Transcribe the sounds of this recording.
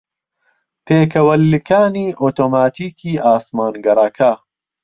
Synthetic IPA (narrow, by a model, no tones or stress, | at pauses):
pʰeːkʰɐwɐlːɨkʰaːniːʔoːt̪oːmaːt̪ʰiːkʰiːʔaːsmaːnɡɐɾˤɐkʰa